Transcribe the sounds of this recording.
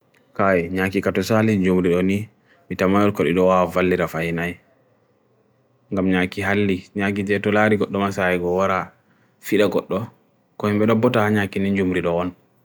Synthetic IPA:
kajiɲakikatɔsalid͡ʒumɾiɗɔni | mitamajɔɾkɔɗḭɗɔwavalːiɾafajnaj | ŋɡamɲakiɦalːiɲak̬id͡ʒɛtɔlaɾiɡɔɗːɔmasajɛɡɔwaɾa | fiɗaɡɔɗːɔ | kɔhimbɛɗɔbɔtahaɲakinind͡ʒumɾiɗɔɔn

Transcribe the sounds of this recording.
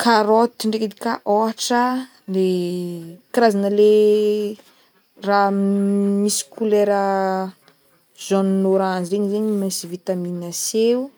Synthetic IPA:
kʰaɾot̪iɳɖ͡ʐeked̪ikaʔoaʈ͡ʂə | le | kiɾazanəle | ra | misi̥kuleɾə | zɔnnoɾanziɾeɲizeɲimasivit̪aminaseu

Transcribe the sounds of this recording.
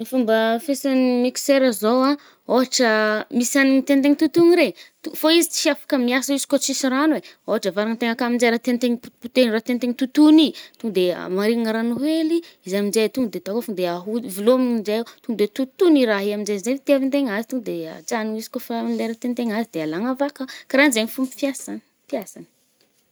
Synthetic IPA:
mifumbəfesanimikseɾəzowa | oɦaʈ͡ʂəmisanit̪ent̪eŋit̪ut̪uniɾet̪ufoizit͡si̥ʃafḁkəmiasəizi̥kot͡sisiɾanueoɦaʈ͡ʂəvaɾaŋənt̪eŋakamind͡ʒeɾat̪ent̪eŋipuput̪enrat̪ent̪eŋit̪ut̪unit̪uŋd̪ea̰maɾiaŋaɾanuɦeli | izamind͡ʒet̪uŋd̪et̪akofund̪eaɦuvilomiind͡ʒejat̪uŋd̪et̪ut̪uniɾaɦiamind͡ʒezet̪iavint̪eŋazi̥t̪uŋd̪ea̰t͡saniizi̥kʲofamleɾət̪ent̪eŋazid̪ealaŋavakəkaɾainzeŋifumpi̥fjasan | fiasanə̥

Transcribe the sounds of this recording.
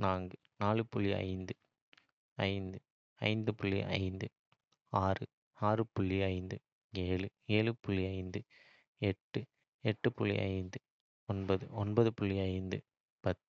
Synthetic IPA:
naːŋɡɐ | naːlɯpʊɭːiɐ̰ɪnd̪ɯ | ɐɪnd̪ɯ | ɐ̰ɪnd̪ɯpʊɭːḭʔɐ̰ɪnd̪ɯ | aːrɯ | aːɾɯpʊɭːiɐɪnd̪ɯ | eːɭɯ | eːɭɯpʊɭːiɐɪnd̪ɯ | ɛʈːɯ | ɛʈːɯpʊɭːḭʔɐ̰ɪnd̪ɯ | ɔnbɐðɯɔnbɐðɯpʊɭːiɐɪnd̪ɯ | pɐt̪

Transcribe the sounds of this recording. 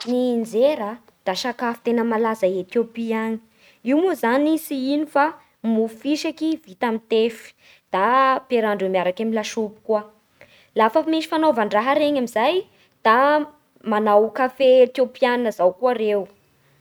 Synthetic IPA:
nind͡zeɾa | d̪̥aʃakafi̥t̪enəmalazaet̪jopiaɲi̥ | iwmuzanisiinifa | mufiʃakiv̥it̪amint̪efi̥ | d̪̥apeɾaɳɖ͡ʐemiaɾakamilaʃupi̥kuə | lafəmeʃi̥fanovaɳɖ͡ʐaɦaɾeɲamizaj | d̪̥a | manawkafet̪jopiananəzawkuaɾew

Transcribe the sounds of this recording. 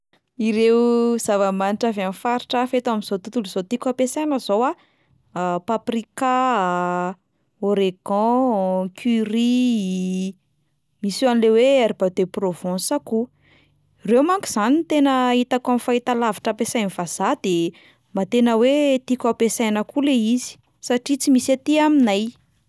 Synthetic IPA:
iɾez̥avamaniʈ͡ʂaveanfaɾiʈ͡ʂəfet̪amiz̥ot̪ut̪uluzot̪ikʲapesajnəzowa | paprika | oɾeɡɔ̃kʰyri | misanileweeɾibad̪eprovɔ̃saku | rewmaŋkuz̥anint̪enəit̪akamifait̪alaviʈ͡ʂəpesajnivaz̥ad̪e | mat̪enəwet̪ikuapesajnəkuleizi̥ | saʈ͡ʂit͡simisat̪iaminaj

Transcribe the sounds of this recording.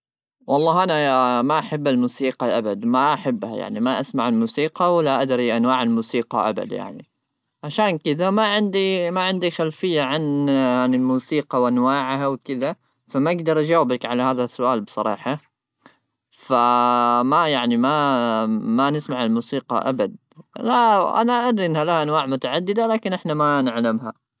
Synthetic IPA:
wɑlˤːɑːɦʔanamaʔaħabːalmuːsiːqɑʔabad̪maʔaħabːha̰ja̰ʕnimaʔasmaʕalmuːsiːqɑwɪlːaʔad̪ɾiʔanwaːʕalmuːsiːqɑ̰ʔa̰ba̰d̪ja̰ʕnḭ | ʕaʃaːnkɪðamaʕɪnd̪imaʕɪnd̪ixalfɪjːaʕananɪlmuːsiːqɑwʔanwaːʕɦawkɪða | famɪɡd̪ɑɾˤʔad͡ʒawːɪbakʕalahaːðasːʊʔaːlbsˤɑɾˤɑ̰ːħɑ | famajaʕnima | manɪsmaʕalmuːsiːqɑ̰ʔa̰bad̪̚ | laʔa̰naʔad̪ɾiʔɪnːhalahaʔanwaːʕmʊt̪aʕad̪ːɪd̪alaːkɪnʔɪħnamanɪʕlamɦa

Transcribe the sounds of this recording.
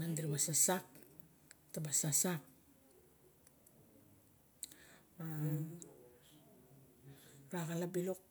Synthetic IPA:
andiɾiwasasak̚ | tabasasak̚ | a | ɾaɡalabilok̚

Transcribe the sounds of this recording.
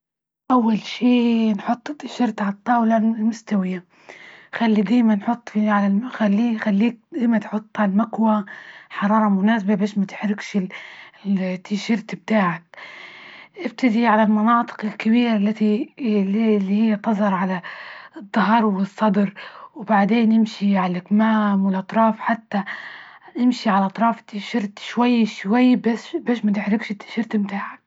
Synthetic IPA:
ʔawːalʃiːnħʊt̪ˤːt̪ːɪʃɪɾt̪ʕalt̪ˤːɑːwlaɪlmʊst̪awɪjːa | xalːid̪aːjmanħʊt̪ˤːfiʕalamxalːiːxalːiːk̚d̪ajmat̪ħʊt̪ˤːʕalmakwaħɑɾˤɑːɾˤɑmʊnaːsbabeːʃmat̪ɪ̥ħɾɪkʃɪ | t̪ʰːiʃɪɾt̪b̚t̪aːʕɪk̚ | ʔɪb̚t̪ad̪iʕalalmɑnɑːt̪ˤɨ̥qɪlkabiːɾʔalːat̪i | lːihɪjːat̪ɑzˤɑɾˤʕalad̪ˤːɑɦɑɾˤwɪsˤːɑd̪ɾwbaʕd̪eːnːɪmʃiʕalʔɪkmaːmwɪlʔɑt̪ˤɾˤɑːfħat̪ːa | nɪmʃiʕalʔɑt̪ˤɾˤɑːft̪ːiːʃɪɾt̪ʃwajːʃwajːbabeːʃmat̪ɪħɾɪkʃɪt̪ːi̥ʃɪɾt̪mt̪aːʕak̚

